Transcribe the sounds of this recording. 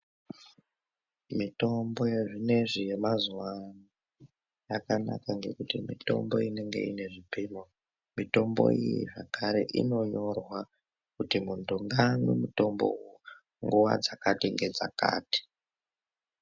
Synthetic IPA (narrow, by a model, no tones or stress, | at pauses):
mito̞mbo̞jeʐine̞ʐijemazuwani | jakanakaŋɡe̞̰kutimito̞̰mbo̞ine̞ŋɡe̞̰ine̞ʐipimo | mito̞mbo̞̰ijḭʐakaɾe̞̰ʔino̞ɲo̞rwa | kutimuntuŋɡanḛmuto̞mbo̰uu | ŋɡuwa̰d͡zakatiŋɡe̞d͡za̰ka̰ːti̥